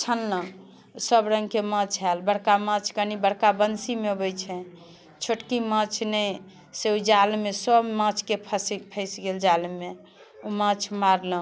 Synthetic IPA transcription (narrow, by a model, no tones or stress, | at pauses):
t͡ʃʰəlːə̃ | səbɾə̃ŋɡkemə̃t͡ʃʰɦɛlbəɽkamə̃t͡ʃʰkənibəɽkabənsimebət͡ʃʰɛ | t͡ʃʰoʈkimə̃t͡ʃʰnəj | seud͡ʒalmesəbmãt͡ʃʰkepʰəspʰəɪsɡeld͡ʒalme | umãt͡ʃʰmaɾlə̃